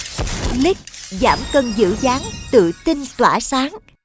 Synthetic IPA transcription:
li˦˥k̚zaː˧˩mkə˧nzɨ̰˧˩˥zaː˨˦ŋt̪ɨ̰˧˨t̪ï˧nt̪waː˧˩saː˨˦ŋ

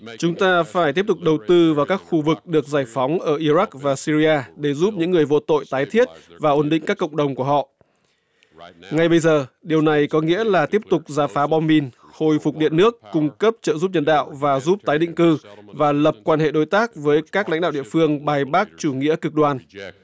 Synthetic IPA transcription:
t͡ɕʊ˨˦ŋ͡mt̪aː˧faː˧˩jt̪i˦˥p̚t̪ʊ˨˩k͡p̚ɗə˨˩wt̪ɨ˧vaː˨˩wkaː˦˥k̚xu˧vɨ˨˩k̚ɗɨ˨˩ək̚zaː˧˩jfɔ˨˦wŋ͡mʔəː˧˩ʔi˧za˦˥k̚vaː˨˩si˧zi˧aː˧ɗe˧˩zu˦˥p̚ɲɨ̰˧˥ŋːɨ˨˩əjvo̰˧t̪o̰˧˨jt̪aː˨˦jt̪ʰi˦˥ət̚vaː˨˩ʔo˨˩nɗḭ̈˧˨ŋkaː˦˥kːə̰˧˨ŋ͡mɗə˨˩wŋ͡mku˧˩əhɔ̰˧˨ | ŋa˨˩jɓə˧jzəː˨˩ɗi˨˩əwna˨˩jkɔ˨˦ŋḭ˧˥əlaː˨˩t̪i˦˥əp̚t̪ʊ˨˩k͡p̚zaː˧˩faː˨˦ɓɔ˧mi˧n | ho˧˩jfʊ˨˩k͡p̚ɗḭ˧˨ənɨ˦˥əkːʊ˧ŋ͡mkə˦˥p̚t͡ɕə̰ː˧˨zu˦˥p̚ɲə˧nɗa̰ː˧˨wvaː˨˩zu˦˥p̚t̪aː˨˦jɗḭ˧˨ŋ̟kɨ˧vaː˨˩lə˨˩p̚kwaː˧nhḛ˧˨ɗo˨˦jt̪aː˦˥k̚vəː˨˦jkaː˦˥k̚la̰˧˥ŋ̟ɗa̰ː˧˨wɗḭ˧˨ə˨fɨ˧əŋɓaː˨˩jɓaː˦˥k̚t͡ɕu˧˩ŋḭ˧˥əkɨ˨˩k̚ɗwaː˧n

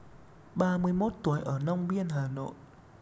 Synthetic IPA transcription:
ɓaː˧mɨ˧əjmo˦˥t̚t̪u˨˩˦əjʔəː˧˩na˧wŋ͡mɓi˧ənɦaː˨˩no̰˧˨j

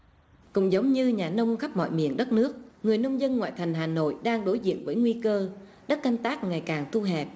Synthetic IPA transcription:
kʊ̰˧˨˥ŋ͡mzə˨˦wŋ͡mɲɨ˧ɲaː˨˩nə˧wŋ͡mxa˦˥p̚mɔ̰˧˨jmḭ˧˨ənɗə˦˥t̚nɨ˦˥ək̚ŋɨ˨˩əjnə˧wŋ͡mzə˧nŋwa̰ː˧˨jt̪ʰa˨˩ŋ̟ɦaː˨˩no̰˧˨jɗaː˧ŋɗo˨˦jzḭ˧˨ənvəː˨˦jŋwi˧kəː˧ | ɗə˦˥t̚ka˧jŋ̟t̪aː˦˥k̚ŋa˨˩jkaː˨˩ŋt̪ʰu˧ɦɛ˨˩p̚

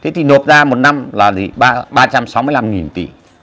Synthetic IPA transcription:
t̪ʰe˨˦t̪ʰi˨˩no˨˩t̚zaː˧mo˨˩t̚na˧mlaː˨˩t̪ʰi˨˩ɓaː˧ɓaː˧t͡ɕa˧msa˨˦wmɨ˧əjla˧mŋi˨˩nt̪ḭ˧˩˨

